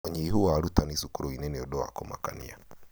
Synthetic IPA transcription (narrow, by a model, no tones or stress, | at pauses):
ɔɲiiɦuwaːɾut̪anisukuɾɔinɛnɛɔɗɔa̰kɔma̰ka̰nḭa